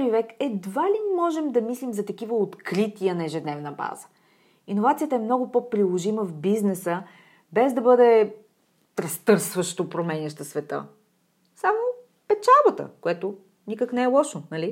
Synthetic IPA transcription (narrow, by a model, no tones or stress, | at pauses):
ɾivɛkɛd̪valimɔʒɛmd̪ɐmislimzɐt̪ɐkivəot̪kɾit̪iənɐɛʒɛd̪nɛvnəba̰zə̥ | inovat̪sijət̪əɛmnɔɡʊpɔpɾilˠoʒiməvbiznɛsə | bɛzd̪ɐbɤd̪ɛ | ɾɐst̪ɤɾsvəʃt̪opɾomɛnʲɐʃt̪əsvɛt̪ə̰ | samo | pɛt͡ʃalˠbət̪ə̰koɛt̪ʊ | nikəknɛɛlˠɔʃonɐli